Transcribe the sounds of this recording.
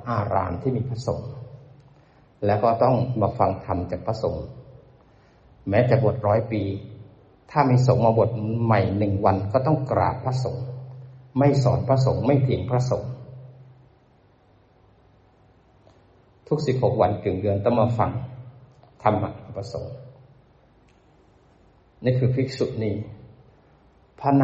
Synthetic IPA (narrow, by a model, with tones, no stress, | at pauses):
ʔaː˧ɾa̰ː˧nt̪ʰiː˥˩miː˧pʰɾa˧˥so̰˩˦ŋ | lɛː˦˥wkɔː˥˩t̪ɔ˥˩ŋmaː˧fa˧ŋt̪ʰa˧mt͡ɕaː˨˩kpʰɾa˧˥so˨˩˦ŋ | mɛː˦˥t͡ɕ̪ɛː˨˩bo˨˩t̪̚ɾɔː˦˥jpiː˧ | t̪ʰaː˥˩miː˧so˩˦ŋmaː˧bo˨˩t̪̚ma˨˩jnɯ˨˩ŋwa˧nkɔː˥˩t̪ɔ˥˩ŋkɾa̰ː˨˩pʰːɾa˧˥so˩˦ŋ | ma˥˩jsɔː˩˦npʰɾa˧˥so˨˩˦ŋma˥˩jt̪ʰi˩˦ŋpʰɾa˧so˩˦ŋ | t̪ʰu˦˥k̚si˨˩p̚ho˨˩k̚wa˧˥nkɯ˨˩ŋdɯ˧ənt̪a˧˥˩mːaː˧fa̰˧˩ŋ | t̪ʰa˧mːa̰˧ʔa˨˩pʰɾa˧so̰˩˦ŋ | niː˦˧˥kʰɯː˧˥pʰi˦˥k̚su˨˩t̪̚niː˥˩ | pʰa˧˥na˧